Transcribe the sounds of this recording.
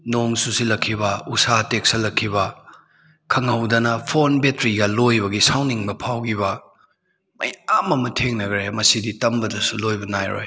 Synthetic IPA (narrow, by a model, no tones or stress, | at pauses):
noŋsusilɐkʰːibɐusatek̚sɐlɐkʰːibɐ | kʰɐŋɐwdɐnɐpʰonbetɾiɡɐlojbɐɡisawniŋbɐpʰawɡiβɐ | mɐjamɐmɐtʰeŋnɐɡɾemɐsiditɐmbɐdɐsulojbɐnajɾo̰j